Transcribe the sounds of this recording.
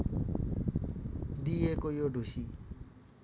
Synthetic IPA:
d̪iekojoɖʱusi

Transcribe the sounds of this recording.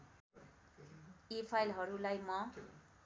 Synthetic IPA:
epʰajlɦʌɾulajmʌ

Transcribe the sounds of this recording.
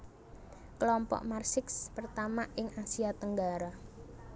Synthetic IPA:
kəlɔmpɔ̰ʔmarsɪkspərt̪amaʔɪŋasiat̪əŋɡaɾa

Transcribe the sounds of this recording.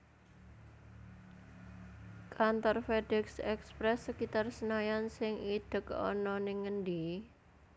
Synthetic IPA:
kʰant̪ɔrfeɖɛksɛkspɾɛsːəkit̪arsənajansɪŋid̪̥ə̤kɔ̰nɔnɪŋəndi

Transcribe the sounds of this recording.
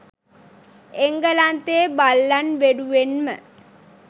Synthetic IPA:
eŋɡəlant̪eːbalːanʋeɖuʋenmə̰

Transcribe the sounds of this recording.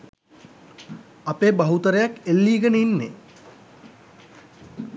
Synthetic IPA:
apeːbaɦut̪əɾejakelːiːɡənəinːe

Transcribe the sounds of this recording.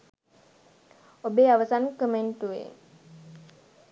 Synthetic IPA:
obeawasankəmajnt̪uḛ

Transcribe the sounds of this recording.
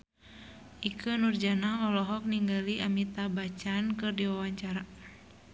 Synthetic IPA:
ʔikʰənurd͡ʒanaɦɔlɔɦɔk̚niŋɡaliʔamit̪abat͡ʃankɨrdiwawaɲt͡ʃaɾa

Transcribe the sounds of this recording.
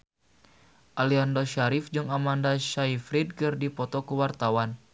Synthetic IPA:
ʔaliandoʃaɾifd͡ʒɨŋamandaʃaifɾid̚kɨrdipɔt̪ɔkuwart̪awan

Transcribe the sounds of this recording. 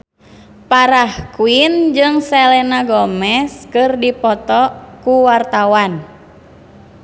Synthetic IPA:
paɾahkuind͡ʒɨŋsɛlɛnaɡɔmɛskɨrdipɔt̪ɔkuwart̪awan

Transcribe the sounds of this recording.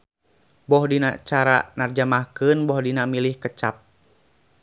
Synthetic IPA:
bɔhdina̰t͡ʃaɾa̰nard͡ʒamahkɨnbɔhdinamilihkət͡ʃap̚

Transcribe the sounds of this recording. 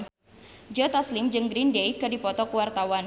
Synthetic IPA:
d͡ʒɔt̪aslɪmd͡ʒɨŋɡɾindejkɨdipɔt̪ɔkəwart̪awan

